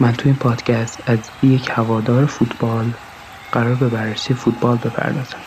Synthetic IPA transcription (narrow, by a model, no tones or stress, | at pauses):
mænt̪ʰuːiːnpʰɒːd̪̥cʰæst̪æz | jecʰhævɒːd̪ɒːɾefut̪ʰb̥ɒːl | ɢ̥æɾɒːɾbe̞bærːesijefuːt̪̚ʰbɒːlbe̞pʰæ̰ɾd̪ɒːz̥æm